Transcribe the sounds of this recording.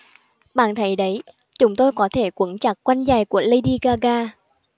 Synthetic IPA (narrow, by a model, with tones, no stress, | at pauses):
ɓa̰ː˧˨nt̪ʰə˨˦jɗə˨˦j | t͡ɕʊ˨˦ŋ͡mt̪o˧jkɔ˨˦t̪ʰe˧˩kwə˨˦nt͡ɕa˨˩k̚kwa˧jŋza˨˩jku˧˩ələ˧jɗi˧ɣaː˧ɣaː˧